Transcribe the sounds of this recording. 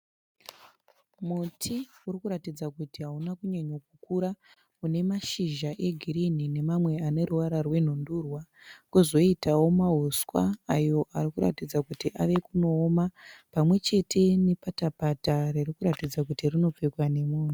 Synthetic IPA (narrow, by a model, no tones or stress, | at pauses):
mutʰiurikuɾatid͡zakutiɦaunakuɲeɲok̚ukuɾa | une̞maʃiʒaʔe̞ɡʱiɾinine̞mamwe̞ane̞ɾuwaɾarwe̞n̤undurwa | kuzo̞itawo̞maɦuswa̰ːjo̞ʔaɾikuɾa̰tid͡zakutiʔaʋe̞kuno̞ːmapamwe̞t͡ʃe̞tʰe̞ne̞patapataririkuɾatid͡zakutirino̞p͡fikwane̞muːn̤u